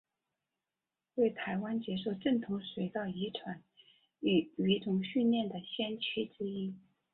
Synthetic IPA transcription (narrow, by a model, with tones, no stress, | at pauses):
t̪we˥˩ɪt̪ʰa˧˥ɪwa˥nt͡ɕjɛ˥ʂ̬o˥˧ʊʈ͡ʂɤ˥˩ŋt̪ʰʊ˧˥ŋʂwe˧˥ɪt̪ɑ˥˩ʊi˧˥ʈ͡ʂʰwa˧˥˦n | y˧˩y˧˥ʈ͡ʂʊ˨˩ŋɕy˥˧nljɛ˥˩nd̪ə˩ɕjɛ˥nt͡ɕʰy˥ʈ͡ʂɻ̩˥i˥